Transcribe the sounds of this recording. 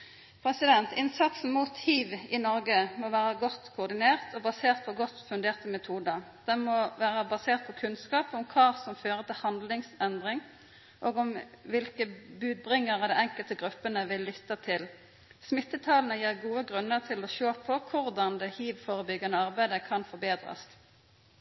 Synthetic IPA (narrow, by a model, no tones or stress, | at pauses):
pʰɾʁɛsɪd̪ɛnt̪ɪnsɑt̪sn̩muːt̪hiːʋɪnɔʁɡəmɔʋæːʁəɡɔt̪kʰʊːʁd̪ɪneːʁt̪ʰɔbɑseːʁt̪̚pʰɔɡɔt̪ːfʉnd̪eːʁt̪əmɛt̪ʰuːd̪əd̪̥ɛnmɔʋæːʁəbɑseːʁt̪̚pʰɔkʰʉnskɑːpɔmkʰɑːsɔmføːɾət̪ʰɪlhɑnd̪lɪŋsɛnd̪ʁɪŋ | ʔoːɡɔmʋɪlkəbʉːd̪̚bʁɪŋːəʁɑd̪ɛɛŋkəlt̪əɡʁʉpːənəʋɪlːʏt̪ːɑt̪ʰɪl | smɪt̪ːət̪ʰɑːlnəjiːʁɡuːəɡʁʉnːəʁt̪ʰɪlɔʃoːpʰɔkʰʊʁd̪ɑnd̪ɛhiːʋfoːʁəbʏɡːənəɑʁbæɪd̪əkʰɑnfɔbeːd̪ʁɑ̰s